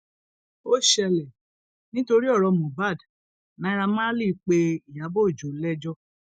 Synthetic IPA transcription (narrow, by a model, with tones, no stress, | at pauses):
o˦ʃɛ˧lɛ˨ | nĩ˦to˧ɾi˦ɔ˦˨ɾɔ˨˧mɔ̃˨ba˦˨d | nã˨˧˦i˦˧ɾa˧mã˦li˦i˧˦k͡pe˧i˨ja˨˦bo˦i˨d͡ʒo˨˦lɛ˦d͡ʒɔ˦